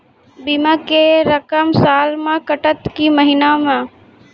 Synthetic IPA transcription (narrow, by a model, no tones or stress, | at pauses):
biːmãkeɾəkəmsaːlmẽkəʈət̪kiməɦɪnamã